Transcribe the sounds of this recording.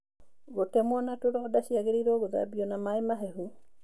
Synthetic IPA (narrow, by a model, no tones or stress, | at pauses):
ɣotɛmwɔnatoɾɔdaɕjaɣeɾiɾɔɣoða̰biɔnamaemaɦehu